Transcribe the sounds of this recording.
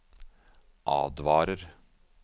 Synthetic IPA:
ʔɑ̰ːd̪ʋɑːɾəɾ

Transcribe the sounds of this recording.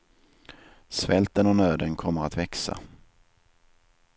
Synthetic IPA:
svɛlt̪ənɔnøːd̪ənkʰɔmːəɾat̪vɛksa̰

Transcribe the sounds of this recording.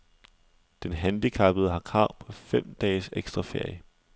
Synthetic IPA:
d̥enɦænd̥ikʰɑ̈b̥əð̩ˠɦɑ̈kʰɑ̈ʊ̰pʰɒ̽fem̰d̥ɛːseɡ̥sd̥ʁɑ̈feɐ̰jə

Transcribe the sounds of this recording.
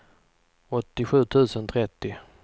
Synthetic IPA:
ɔt̪ːɪɧʉ̟ːt̪ʰʉ̟ːsənt̪ʰɾɛt̪ːɪ

